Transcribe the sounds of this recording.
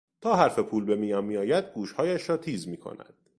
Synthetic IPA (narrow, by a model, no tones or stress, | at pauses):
t̪ʰɒːɦæɾfe̞pʰuːlbe̞miːjɒːnmijɒːjæd̪̚ɡuːʃhɒːjæʃɾɒːt̪ʰiːzmiːkʰo̰næ̰d̪̥